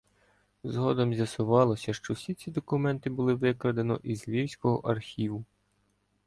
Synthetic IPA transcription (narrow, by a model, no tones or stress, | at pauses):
zɦɔd̪ɔmzʲjɐsʊʋɑlˠɔsʲɐʃt͡ʃɔwsʲit͡sʲid̪ɔkʊmɛnt̪ɪbʊlˠɪʋɪkɾɐd̪enɔ̰ʔizlʲiwsʲkɔɦɔ̰ʔɐrxʲiʋʊ